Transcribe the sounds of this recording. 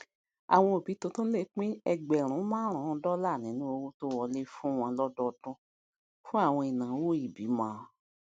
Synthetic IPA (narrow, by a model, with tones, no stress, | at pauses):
a̰˨w̃ɔ̃˧o˨bi˨˦to˧˦tõ˦le˦˨k͡pĩ˦ɛ˧ɡ͡bɛ˨ɾ̃ũ˨˦mãː˦ɾ̃ã˨˦˧dɔ˦la˦˨nĩ˨˦nũ˦o˧wo˦to˦wɔ˧le˦fũ˦w̃ɔ̃˧lɔ˦dɔ˦˧˨dɔ̃˦ | fũ˦a˦˨w̃ɔ̃˧i˨nã˨˦wo˦i˨bi˨˦mãː˦˨